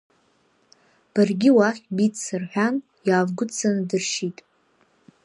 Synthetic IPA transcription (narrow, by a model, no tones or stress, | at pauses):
b̥arɡʲɪwaχʲbit͡st͡sːɨrħʷᶣan | jaːvɡʷʊt͡sʰanɨdɨrʃitʼ